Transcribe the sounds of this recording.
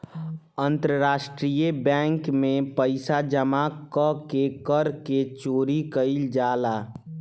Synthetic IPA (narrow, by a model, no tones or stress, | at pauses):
ənt̪ɾəɾaːʃʈɾijebɛ̃ːŋkmẽpəɪsad͡ʒəmakəkekəɾket͡ʃoːɾikəɪld͡ʒaːlaː